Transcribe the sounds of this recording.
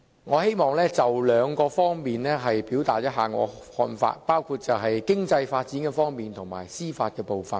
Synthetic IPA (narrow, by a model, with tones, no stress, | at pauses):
ŋɔː˨˧he˥jmɔː˨˧ŋlɛː˥t͡sɐ˨wlœː˨˧˥ŋkɔː˧fɔː˥ŋmiː˨nlɛː˥ɦɐ˨jpiː˨˥wt̪aː˨t̚jɐ˥t̚ɦaː˨˩ŋɔ̰ː˨˧hɔ̰ː˧nfa̰ː˧t̚paː˥wkʰuː˧t̚t͡sɐ˨wɦɐ˨jkɪ˥ŋt͡sɐ˧jfaː˧t̚t͡siː˨˥nkɛː˧fɔː˥ŋmiː˨nt̪ʰʊ˨˩ŋma̰ː˨˩jsiː˥faː˧t̚kɛː˧po˨wfɐ˨˩n